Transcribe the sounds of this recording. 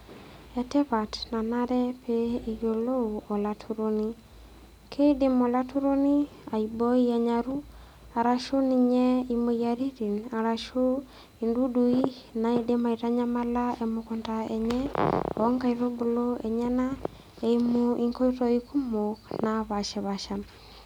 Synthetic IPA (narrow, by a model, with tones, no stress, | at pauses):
ɛtɛ˦βa˨tna˨naɾɛ˦pɛː˨ɣolo˦u˨o˨la˨tʰuɾoni˦ | kʰe˦ide˦mo˨la˦tu˦ɾo˦ni˦ | a˨ibɔ˦i˦a˨ɲaɾu˦ | a˨ɾa˨ʃo˦ni˨ɲɛ˦imo˨jaɾi˦ɾi˨na˨ɾa˨ʃo˦ | indu˦du˨i | na˨edema˨iɾa˦ɲa˦ma˦laemokɔntaɛɲɛɔ˦ŋɡa˦iɾo˦bu˨loeɲa˦na | eimoiŋko˦itɔ˦iku˦mo˨knaβaʃɛ˨βaʃa˨